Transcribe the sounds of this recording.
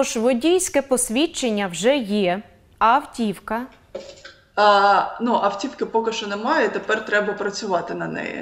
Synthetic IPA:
ɔʒʋɔdʲijsʲkɛpɔsʲʋʲit͡ʃːenʲːɐwʒɛjɛ | ɐwtʲiwkɐ | nuʔɐwtʲiwkɪpɔkɪʃt͡ʃɔnɛmɑjɛt̪epɛrt̪ɾɛbɐpɾɐt͡sʲʊʋɑt̪ɪnɐnɛ̰jɛ̰

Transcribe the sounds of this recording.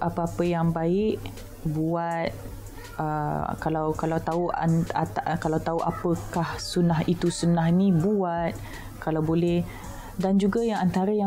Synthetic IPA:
ʔapəapəjaŋbaɪʔ | buat̪̚ | ə̰kalawkalawt̪aṵkalawt̪auʔa̰pəkahsunaɦit̪usunahnĩbuat̪̚ | kalawbolɛh | dand͡ʒuɡajaŋant̪aɾaja

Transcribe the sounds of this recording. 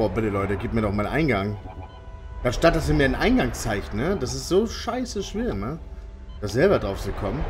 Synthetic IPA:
bɔːbɪtəlɔʏtəɡiːp̚miːɐnɔχmaːlnʔa̰ɪnɡaŋ | d̥aʃtat̚d̥asiːmiːɐɪnʔa̰ɪnɡaŋt͡saɪçtnəd̥as̬ɪstz̥oːʃaɪsəʃv̥eːɐnə | d̥aːzɛlbɐdʁaʊft͡sukʰɔmən

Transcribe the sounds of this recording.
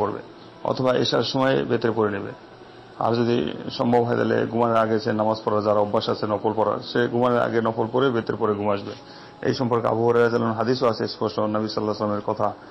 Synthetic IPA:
oɾbḛ | ɔ̰t̪ʰɔbaʔḛʃaɾʃɔmɔebet̪ɾepoɾenibḛ | a̰ɾd͡ʑod̪ḭʃɔmbʱɔbʱɦɔed̪a̰lḛɡumaneɾaɡet͡ɕʰenamazpɔɾad͡ʑaɾaɔbːaʃat͡ɕʰenɔpʰolpɔɾa̰ʃeɡumaneɾa̰ɡenɔpʰolpoɾebet̪eɾepoɾeɡumaʃbe | ḛjʃɔmpɔɾkea̰buɦoɾeasalanɦad̪isoat͡ɕʰespɔsʈonəbisɔlːaslameɾkɔt̪ʰa

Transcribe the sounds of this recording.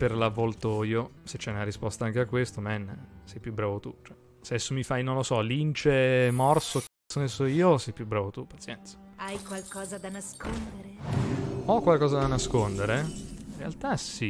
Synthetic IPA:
perlavːɔlt̪oːjoset͡ʃːɛunaɾispɔst̪aaŋk̟eakːwest̪omɛnːsɛjpjubːɾaːvot̪ut͡ʃoɛ | seɛsːomifajnonlosɔlint͡ʃemɔrsok | sonesoiːosɛjpjubːɾaːvot̪upat̪sjɛnt̪sḁajkwalkɔːzad̪anaskond̪eɾe | ɔkːwalkɔːzad̪anaskond̪eɾeinrːea̰lt̪asi

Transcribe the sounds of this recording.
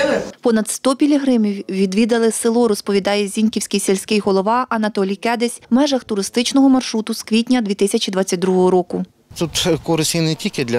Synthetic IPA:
pɔnɐd̪st̪ɔpʲilʲiɦɾɪmʲiwːʲid̪ʋʲid̪ɐlˠɪselˠɔɾɔspɔʋʲid̪ɑjɛzʲinʲkʲiwsʲkʲijselʲsʲkɪjɦɔlˠɔʋɑʔɐnɐt̪ɔlʲijkɛd̪esʲmɛʒɐxt̪ʊɾɪst̪ɪt͡ʃnɔɦɔmɐrʃɾut̪ʊskʋʲitʲnʲɐd̪ʲʋʲit̪ɪsʲɐt͡ʃʲid̪ʋɑt͡sʲːɐt̚ʲd̪ɾuɦɔɦɔɾɔkʊ | t̪ut̪kɔɾɪsʲinetʲilʲkʲɪd̪lʲɐ

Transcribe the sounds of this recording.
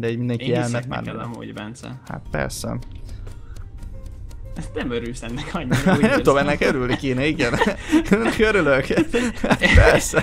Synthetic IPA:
d̪ɛiːɟmind̪ɛŋkijɛllnːɛt̪ma̰ːɾmɛmṵvɛ̰nsɛ̰ha̰t̪pɛ̰rsɛ̰ | ɛsnɛmøɾylsɛnːɛkʰɒɲːnɛmt̪od̪omɛnːɛkøɾylnikeːnɛiɡɛnɛnːɛkøɾyløkat̪pɛrsɛ

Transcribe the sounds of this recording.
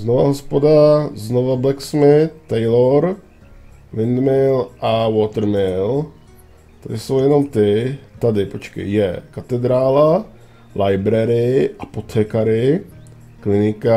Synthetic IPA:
znovaɦospodaznovablɛksmɪt̪ːɛjloɾ | vɪnd̪mɪlʔawot̪ɛɾmɪl | t̪adɪso̞wjɛno̞mt̪ɪt̪adɪpot͡ʃkɛ̰jjɛkat̪ɛd̪ɾaːla | lʔajbɾɛɾɪʔapo̞t̪ʰɛːkaɾɪ | klɪnɪka

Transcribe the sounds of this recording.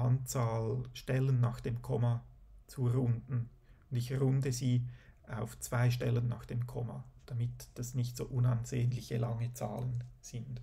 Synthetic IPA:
ant͡saːlʃtɛlənːaːxd̥eːmkʰɔmat͡suɾʊndn̩ | ʊndɪçrʊndəziːaʊft͡sv̥aɪʃtɛlənːaːxd̥eːmkʰɔma̰d̥amɪtd̥asnɪçtso̰ːʔʊnanzeːənlɪçəlɑŋət͡sa̰ːlənz̥ɪnd

